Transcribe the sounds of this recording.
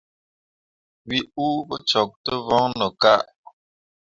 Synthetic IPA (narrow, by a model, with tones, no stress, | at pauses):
wi˦u˦bə˦t͡ʃɔ˨k̚tə˦vɔ˦ŋnə˨ka˦ʔ